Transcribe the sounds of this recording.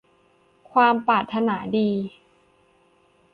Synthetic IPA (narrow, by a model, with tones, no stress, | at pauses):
kʰwaː˧mpaː˨˩t̪ʰːa˧naː˩˦diː˧